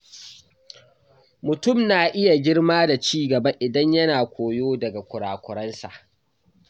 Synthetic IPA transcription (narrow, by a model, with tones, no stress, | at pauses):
mʊ˨tʊ˦˨mnaː˨ʔɪ˦ja˨ɡʲɪ˦ɽmaː˦da˨t͡ʃiː˦ɡɐ˨ba˦ʔɪ˨dɐ˦ɲjɐ˦naː˨kʷoː˨joː˦dɐ˨ɡa˨kʷʊ˨ɽaː˨kʷʊ˨ɾɐ˦nsa̰˨ʔ